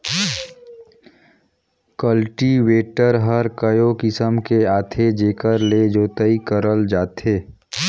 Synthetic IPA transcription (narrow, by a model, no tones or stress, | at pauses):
kəlʈiʋeːʈəɾɦəɾkəjokɪsəmkeaːt̪ʰed͡ʒeːkəɾled͡ʒoːt̪əikəɾəld͡ʒaːt̪eː